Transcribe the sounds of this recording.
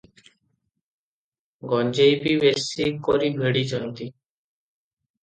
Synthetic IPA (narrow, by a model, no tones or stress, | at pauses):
ɡɔnd͡ʑejpibesikoɾibʱeɽit͡ɕɔnt̪i